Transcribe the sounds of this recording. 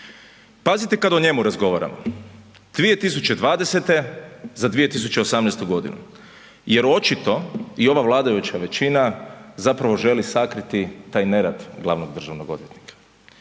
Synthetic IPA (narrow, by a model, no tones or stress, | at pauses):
pazit̪ekad̪oɲe̞muɾazɡo̞ʋaɾa̰mo̰ | d̪̥ʋije̞t̪is̬ut͡ʃe̞d̪ʋaːd̪ese̞t̪e̞zad̪ʋije̞t̪is̬ut͡ʃeosamnɛjst̪uɡo̞d̪ḭnṵ | je̞ɾo̞t͡ʃit̪o̞io̞ʋaʋlˠaːd̪ajut͡ʃaʋe̞t͡ʃinazapɾaʋo̞ʒe̞lisakɾit̪it̪aːjne̞ɾad̪ɡlˠa̰ʋnoɡ̚d̪r̩ʒaʋno̞ɡo̞d̪ʋjet̪nikḁ